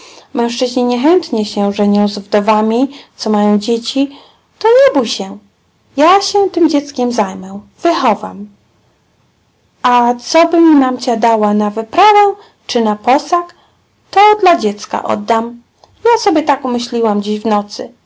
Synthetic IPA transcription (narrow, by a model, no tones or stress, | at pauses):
mɛ̃w̃ʂt͡ʂɘʑɲiɲɛxɛnt̪ɲɛɕɛʐɛɲɔ̃w̃zvd̪ɔvamʲit̪sɔmajɔ̃w̃d͡ʑet͡ɕi | t̪ɔɲɛbujɕɛ | jaɕɛt̪ɘmd͡ʑɛt̪skʲɛmzajmɛw̃v̥ɘxɔva̰m | ʔat̪sɔbɘmʲimamt͡ɕad̪awanavɘpɾavɛ | t͡ʂɘnapɔsak | t̪ɔd̪lad͡ʑɛt̪ska̰ʔɔ̰d̪ːam | jasɔbʲjɛt̪akumɘɕlʲiwamd͡ʑiʑvnɔt̪sɘ